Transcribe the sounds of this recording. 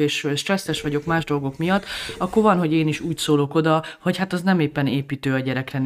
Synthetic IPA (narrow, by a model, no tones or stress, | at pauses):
eːʃøʃt̪rɛsːɛʃʋɒɟo̞kmaːʒd̪o̞lɡo̞kmijɒt̪ːɒkːorvɒnɦo̞ɟeːniʃuːcsoːlo̞ko̞d̪ɒho̞chat̪ɒznɛmeːpːɛneːpiːt̪øːɒɟɛɾɛkrɛn